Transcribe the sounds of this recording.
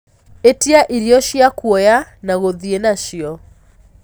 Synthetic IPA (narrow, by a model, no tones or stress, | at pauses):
etiaʔiɾiɔʃiakwɔjanaɣoðienaʃiɔ